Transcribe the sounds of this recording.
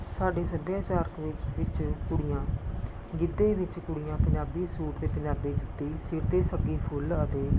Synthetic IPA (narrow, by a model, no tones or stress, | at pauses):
saːɖeːsəbaːt͡ʃaːɾkʋɪt͡ʃʋɪt͡ʃkʊɽɪjãː | ɡɪd̪eːʋɪt͡ʃkʊɽɪjãːpəɲd͡ʒaːbiːsuːʈt̪eːpəɲd͡ʒaːbiːt͡ʃʊt̪ːiːsɪɾt̪eːsəɡiːpʰʊlət̪eː